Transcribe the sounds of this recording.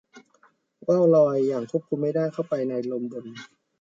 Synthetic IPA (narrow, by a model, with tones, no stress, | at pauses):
waː˥˩wlɔː˧jːaː˨˩ŋkʰu˥˩əp̚kʰu˧mːa˥˩jdaː˥˩jkʰa˥˩wpa˧jna˧jlo˧mbo˧n